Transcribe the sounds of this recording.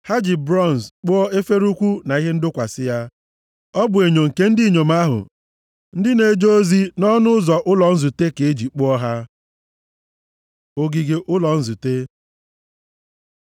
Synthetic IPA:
ha˦d͡ʒi˨bɾɔ˦˨n˨sk͡pʊ˦ɔ˦e˦fe˦ɾu˦kʷu˦na˨i˦ɦe˦n̩˦dʊ˦kʷa˨sɪ˦ja˦ | ɔ˦bʊ˨e˨ɲo˨ŋ̩˨ke˦n̩˦dɪ˦˨ɲo˨ma˦ɦʊ̰˨ | n̩˦dɪ˦ne˨d͡ʒo˦o˦zi˦nɔ˦nʊ˦zɔ˨ʔʊ˦lɔ˨n̩˦zu˨te˦ke˨e˦d͡ʒi˨k͡pʊ˦ɔ˦ɦa˦ | o˦ɡi˨ɡe˦ʔʊ˦lɔ˨n̩˦zu˨te˦

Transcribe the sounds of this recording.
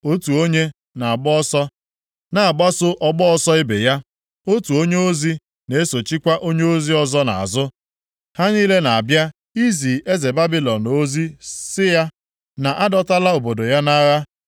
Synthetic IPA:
o˦tu˨o˦ɲe˦ | na˨a˨ɡ͡bɔ˦ɔ˦sɔ˦ | na˨a˨ɡ͡ba˦sʊ˦ʔɔ˦ɡ͡bɔ˦ɔ˦sɔ˦ɪ˦bḛ˨ja˦ | o˦tu˨o˦ɲe˦o˦zi˦ | ne˦so˨t͡ʃi˦kʷa˦ʔo˦ɲe˦o˦zi˦ɔ˨zɔ˦na̰˨a̰˨zʊ˦ | ha˦ɲiː˦le˦na˨a˨bja˦ | i˦zi˨e˦ze˨ba˦bi˦lɔ˨no˦zi˦sɪ˦ja˦ | na˨ʔa˦dɔ˦ta˦la˦o˨bo˨do˨ja˦na˦ɣa˦

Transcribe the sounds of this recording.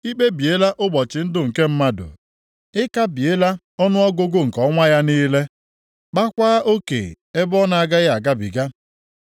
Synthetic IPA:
i˦k͡pe˦bi˨e˦la˦ʔʊ˦ɡ͡bɔ˨t͡ʃɪ˨n̩˦dʊ˦ŋ̩˨ke˦m̩˦ma˦dʊ̰˨ | ɪ˦ka˦bi˨e˦la˦ | ɔ˦nʊ˦ɔ˦ɡʊ˦ɡʊ˦ŋ̩˨kɔ˦ŋʷa˦ja˦niː˦le˦ | k͡pa˦kʷaː˦ʔo˦kḛ˨ | e˦bɔ˦na˨a˨ɡa˦ɣa˨ɡa˦bḭ˨ɡa˦

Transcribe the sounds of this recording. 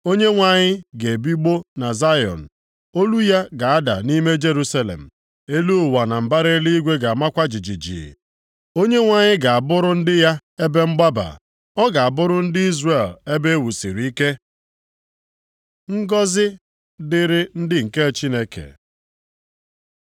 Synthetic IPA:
o˦ɲe˦ŋʷa˦˨ɲɪ˦ɡe˨bi˦ɡ͡bo˦na˨za˦jɔ̰˨n̩˨ | o˦lu˦ja˦ɡa˨a˦da̰˨ni˦me˦d͡ʒe˦ɾu˦sa˦lḛ˨m̩˨ | e˦lu˦˨wa˨na˨m̩˨ba˦ɾe˦li˦i˦ɡʷe˦ɡa˨a˨ma˦kʷa˦d͡ʒi˨d͡ʒi˨d͡ʒḭ˨ | o˦ɲe˦ŋʷa˨ɲɪ˦ɡa˨a˨bʊ˦ɾʊ˦n̩˦dɪ˦ja˦e˦be˦ŋ͡m̩˦ɡ͡ba˦ba̰˨ | ɔ˦ɡa˨a˨bʊ˦ɾʊ˦n̩˦dɪ˦i˦zre˨le˦be˦e˦wu˨si˨ɾi˦ke˦ | ŋ̩˦ɡɔ˦zɪ˦ | dɪ˦ɾɪ˦n̩˦dɪ˦ŋ̩˨ke˦˨t͡ʃi˦ne˦kḛ˨

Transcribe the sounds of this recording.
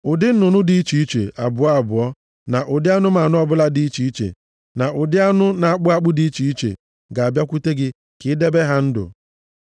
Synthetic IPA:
ʊ˨dɪ˦n̩˦nʊ˨nʊ˦di˨˦i˦t͡ʃi˨i˦t͡ʃḛ˨ʔa˨bʊ˨ɔ˦a˨bʊ˨ɔ˦ | na˨ʔʊ˨dɪ˦a˦nʊ˦ma˨nʊ˦ɔ˦bʊ˦la˦dɪ˦i˦t͡ʃi˨i˦t͡ʃḛ˨ | na˨ʔʊ˨dɪ˦a˦nʊ˦na˨a˨k͡pʊ˦a˦˨k͡pʊ˦di˨˦i˦t͡ʃi˨i˦t͡ʃḛ˨ | ɡa˨bja˦kʷu˦te˦ɡɪ˦ | kɪ˦de˦be˦ɦa˦n̩˦dʊ̰˨

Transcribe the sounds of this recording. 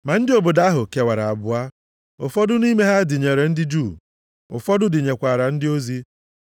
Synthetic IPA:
ma˨n̩˦dɪ˦o˨bo˨da˦ɦʊ˨ke˨wa˨ɾa˨a˨bʊ˦a˦ | ʊ̰˨fɔ˦dʊ˦ni˦me˦ɦa˦dɪ˨ɲe˨ɾe˨n̩˦dɪ˦d͡ʒuː˦˨ | ʊ̰˨fɔ˦dʊ˦dɪ˨ɲe˨kʷa˨ɾa˨n̩˦dɪ˦o˦zi˦

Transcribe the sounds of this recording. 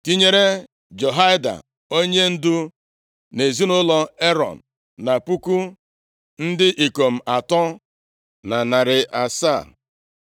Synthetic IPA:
ti˦ɲe˦ɾe˦ | d͡ʒɔ˨ɦa˦ɪ˦da̰˨ | o˦ɲe˦n̩˦dʊ˦ | ne˨zi˦nʊ˦lɔ˦e˦ɾɔ̰˨n̩˨ | na˨pu˦ku˦ | n̩˦dɪ˦ʔi˨ko˨m̩˨a˨tɔ˦ | na˨na˨ɾɪ˨ʔa˨sa˦˨

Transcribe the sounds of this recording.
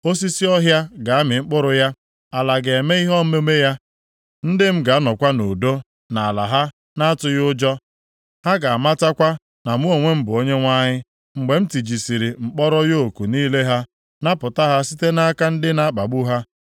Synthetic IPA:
o˦s̬i˦si˦ɔ˦ɦja˦ɡa˨a˦mɪ˨ŋ͡m̩˦k͡pʊ˦ɾʊ˦ja˦ | a˨la˨ɡe˨me˦i˦ɦɔ˦me˦me˦ja˦ | n̩˦dɪ˦m̩˦ɡa˨˦nɔ˨kʷa˦no˨do˦ | na˨a˨la̰˨ɦa˦ | na˦a˦tʊ˨jʊ˦d͡ʒɔ˦ | ha˦ɡa˨a˨ma˦ta˦kʷa˦ | na˨mu˦o˨ŋʷe˦m̩˦bʊ˨o˦ɲe˦ŋʷa˦ɲɪ˦ | ŋ͡m̩˨ɡ͡be˨m̩˦ti˨d͡ʒi˨si˨ɾi˨ŋ͡m̩˨k͡pɔ˦ɾɔ˦jo˦˨ku˨niː˦le˦ɦa˦ | na˦pʊ˨ta˦ɦa˦si˦te˦na˦ka˦n̩˦dɪ˦na˦a˦k͡pa˨ɡ͡bu˦ɦa˦

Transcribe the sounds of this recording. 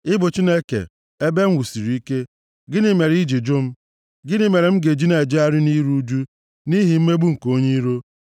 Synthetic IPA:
ɪ˦bʊ˨t͡ʃi˦ne˦kḛ˨ | e˦be˦ŋ̩˦wu˨si˨ɾi˨i˦ke˦ | ɡɪ˦nɪ˦me˨ɾi˦d͡ʒi˨d͡ʒʊ˦m̩˦ | ɡɪ˦nɪ˦me˨ɾe˨m̩˦ɡe˨d͡ʒi˦ne˨d͡ʒi˦a˦ɾɪ˦ni˦ɾu˦d͡ʒu˦ | ni˦ɦi˨m̩˦me˦ɡ͡bu˦ŋ̩˨ko˦ɲe˦ɾo˦

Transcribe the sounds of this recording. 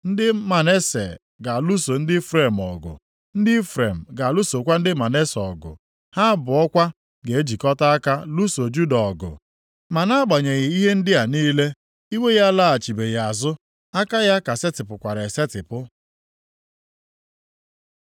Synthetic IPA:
n̩˦dɪ˦ma˨ne˦se˨ | ɡa˨lu˦so˨n̩˦dɪ˦fɾe˦˨m˨ɔ̰˨ɡʊ̰˨ | n̩˦dɪ˦fɾe˨m̩˨ɡa˨lu˦so˨kʷa˦n̩˦dɪ˦ma˨ne˦sɔ˨ɡʊ̰˨ | ha˦bʊ˨ɔ˦kʷa˦ | ɡe˨e˦d͡ʒi˨kɔ˦ta˦a˦ka˦lu˦so˨d͡ʒu˦dɔ˨ɔ˨ɡʊ̰˨ | ma˨na˦a˦ɡ͡ba˨ɲe˨ɣɪ˨i˦ɦe˦n̩˦dɪ˦a˨niː˦le˦ | i˦we˦ɣa˦la˦a˨t͡ʃi˨be˨ɣa˨zʊ˦ | a˦ka˦ja˦ka˨se˦tɪ˨pʊ˨kʷa˨ɾe˨se˦tɪ˨pʊ˦

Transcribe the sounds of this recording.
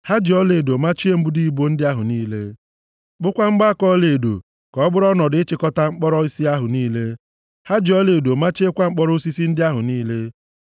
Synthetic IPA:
ha˦d͡ʒi˨ɔ˦le˨do˨ma˦t͡ʃi˦e˦m̩˦bu˦di˦i˨bo˦n̩˦dɪ˦a˦ɦʊ˨niː˦le˦ | k͡pʊ˦kʷa˦ŋ͡m̩˦ɡ͡ba˦kɔ˦le˨do̰˨ | kɔ˨ɔ˦bʊ˦ɾɔ˦nɔ˨dɪ˨ɪ˦t͡ʃɪ˨˦kɔ˦ta˦ŋ͡m̩˦k͡pɔ˦ɾɔ˦i˦si˦a˦ɦʊ˨niː˦le˦ | ha˦d͡ʒi˨ɔ˦le˨do˨ma˦t͡ʃe˦kʷa˦ŋ͡m̩˦k͡pɔ˦ɾʊ˦si˦si˦n̩˦dɪ˦a˦ɦʊ˨niː˦le˦

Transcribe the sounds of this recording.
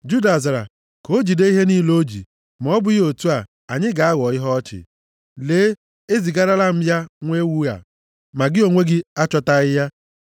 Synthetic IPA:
d͡ʒu˦da˨za˨ɾa̰˨ | ko˦d͡ʒi˨de˦i˦ɦe˦ni˦lo˦d͡ʒḭ˨ | m˨ɔ˨˦bʊ˦o˨tu˦a˨ | a˨ɲɪ˦ɡa˨a˦ɣɔ˨ɪ˦ɦɔ˦ɔ˦t͡ʃɪ̰˨ | leː˨˦ | e˦zi˨ɡa˦ɾa˦la˦m̩˦ja˦ŋʷe˦wu˦ɣa̰˨ | ma˨ɡɪ˦o˨ŋʷe˦ɡɪ˦a˦t͡ʃɔ˦ta˦ɣɪ˦ja˦

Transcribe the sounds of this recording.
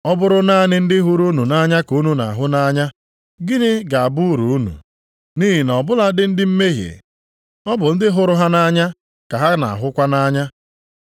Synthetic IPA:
ɔ˦bʊ˦ɾʊ˦na˦˨nɪ˦n̩˦dɪ˦ɦʊ˦ɾu˦nu˨na˦ɲa˦ku˨˦nu˨na̰˨a˨ɦʊ˦na˦ɲa˦ | ɡi˦nɪ˦ɡa˨a˨bʊ˦ɾu˨˦nṵ˨ | ni˦ɦi˨nɔ˨bʊ˦la˦dɪ˦n̩˦dɪ˦m̩˦me˦ɦjḛ˨ | ɔ˦bʊ˨n̩˦dɪ˦ɦʊ˦ɾʊ˦ɦa˦na˦ɲa˦ | ka˨ɦa˦na̰˨a̰˨ɦʊ˦kʷa˦na˦ɲa˦

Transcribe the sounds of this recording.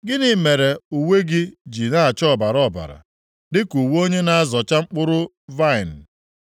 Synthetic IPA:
ɡɪ˦nɪ˨me˨ɾe˨u˨we˦ɡɪ˦d͡ʒi˨na˦a˨t͡ʃɔ˦˨ba˨ɾɔ˦˨ba̰˨ɾa̰˨ | dɪ˦ku˨wo˦ɲe˦na˦a˦zɔ˨t͡ʃa˦ŋ͡m̩˦k͡pʊ˦ɾʊ˦ | va˦ɪ˨n̩˨

